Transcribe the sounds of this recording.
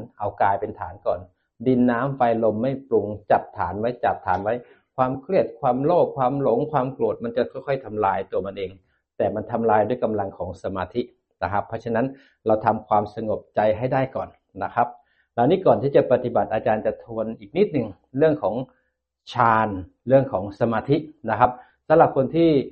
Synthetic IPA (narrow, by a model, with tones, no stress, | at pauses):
nʔa˧wkaː˧jpe˧nt̪ʰa̰ː˩˦nkɔː˨˩n | di˧nːaː˦˥mfa˧jlo˧mːa˥˩jplu˧ŋt͡ɕa˨˩p̚t̪ʰaː˩˦nwa˦˥jt͡ɕa˨˩p̚t̪ʰaː˩˦nwa˦˥j | kʰwaː˧mkʰɾi˥˩ət̪̚kʰwaː˧mloː˥˩p̚kʰwaː˧mlo˩˦ŋkʰwaː˧mklu˨˩t̪̚ma˧nt͡ɕa˨˩kʰɔ˥˩jkʰɔ˥˩jt̪ʰa˧mlaː˧jt̪u˧ɐma˧nʔeː˧ŋ | t̪ɛː˨˩ma˧nt̪ʰa˧mlaː˧jdu˥˩əjka˧mla˧ŋkʰɔː˩˦ŋsa˧maː˧t̪ʰi˦˥ | na˦˥kʰa˦˥pʰːɔː˦˥t͡ɕʰa˧na˦˥n | ɾa˧wt̪ʰa˧mkʰwaː˧msa˧ŋo˨˩p̚t͡ɕa˧jɦa˥˩jdaː˥˩jkɔː˨˩n | na˦˥kʰa˦˥p̚ | la˧wniː˦˥˩kɔː˨˩nt̪ʰiː˥˩t͡ɕa˨˩pa˨˩t̪i˨˩ba˨˩t̪̚ʔaː˧t͡ɕaː˧nt͡ɕa˨˩t̪ʰu˧ənʔiː˨˩k̚ni˦˥t̪̚nɯ˨˩ŋ | ɾɯ˥˩əŋkʰɔː˩˦ŋ | t͡ɕʰaː˧n | ɾɯ˥˩əŋkʰɔː˩˦ŋsa˧maː˧t̪ʰi˦˥na˦˥kʰa˦˥p̚ | sa˨˦mɾa˨˩p̚kʰo˧nt̪ʰiː˥˩